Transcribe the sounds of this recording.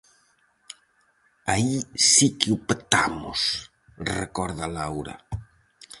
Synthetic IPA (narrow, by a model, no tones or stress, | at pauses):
aisikɪupt̪amʊ̰s | rekɔɾðɐlawɾɐ̰